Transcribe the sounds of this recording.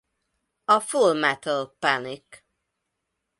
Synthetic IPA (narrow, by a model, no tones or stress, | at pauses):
ɒfulmɛt̪əlpanik